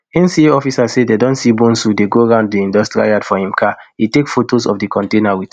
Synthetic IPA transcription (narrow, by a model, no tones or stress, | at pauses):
ĩnsieɔfisasededɔ̃nsibõnsudeɡoɹãʊ̃nd̚tuĩndɔstɹa̰jadfɔhĩmkʰaitekfotosɔ̰fdikʰɔ̃ntenawit